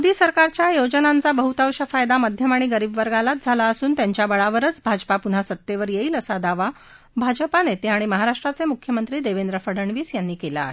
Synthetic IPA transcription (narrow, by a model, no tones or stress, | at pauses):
d̪iːsəɾkaɾt͡ɕjajod͡ʑənant͡sabəɦut̪awɕəfajd̪amad̪ʱjəmaɽ̃iɡəɾiːbʋəɾɡalat̪̚d͡zʱalaəsuːnt̪jaɲt͡ɕjabəɭaʋəɾət͡sbʱad͡ʑpapun̤asət̪ːeʋəɾjeɦiːləsad̪aʋa | bʱad͡ʑəpanet̪eaɽ̃iməɦaɾaʂʈɾat͡semukʰjəmənt̪ɾiːd̪eʋend̪ɾəfəɽəɳʋiːsjanːiːkela̰ːɦe